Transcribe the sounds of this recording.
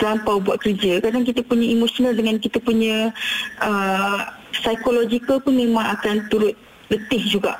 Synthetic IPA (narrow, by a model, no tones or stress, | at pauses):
t̪lampawbuaʔ̚kərd͡ʒakadaŋk̬it̪apuɲãimosonaldəŋankit̪apuɲə̃ | ə | sajkolod͡ʒikəlpʊnmẽmãŋakant̪uɾʊt̪̚ | lət̪ɪhd͡ʒuɡa̰ʔ